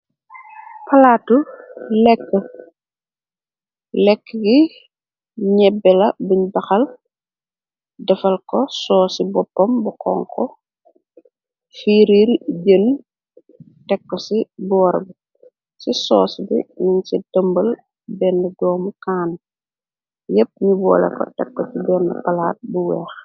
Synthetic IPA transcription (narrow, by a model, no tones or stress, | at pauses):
pɐlatulɛkːə | lɛkːəɡi | ɲɛbɛlɐbiɲbɐxɐl | dɐfɐlkɔsɔːsibɔpːɐmbukɔ̰ːŋkɔ | fiːɾilɟən | tɛkːɔsibɔːɾbi | sisɔːsbḭnunsidəmbɐl | bɛndɛdɔːmukaːn | jəp̚ɲibɔ̰ːlɛ̰kɔ̰tɛ̰kːɔt͡ʃibɛːnɛpɐlaːt̚buwɛːx